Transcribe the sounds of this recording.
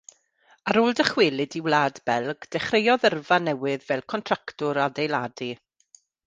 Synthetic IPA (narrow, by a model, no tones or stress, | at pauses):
aɾoːlˠdəχwɪlˠɪdiwlˠaːdbɛlˠɡ̥d̥ɛχrejɔðərvanɛwɪðvɛlˠkʰɔntʰr̥aktʊɾadejlaːdi